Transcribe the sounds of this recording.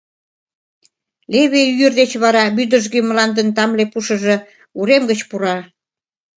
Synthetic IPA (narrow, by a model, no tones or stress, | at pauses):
leβeyərd̪et͡ɕβɑɾɑβyd̪əʒɡymlɑnd̪ənt̪ɑmlepuʃə̆ʒə̆ | uɾemɡət͡ɕpuɾɑ